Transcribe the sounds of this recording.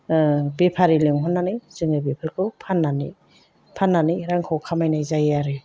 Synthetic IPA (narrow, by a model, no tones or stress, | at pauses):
bepʰaɾilɯŋɦɔnːanɯjzɯŋɯbepʰaɾkʰɯwpʰanːanḭ | pʰanːanɯjɾaŋkʰawkʰamajnajzajaɾɯ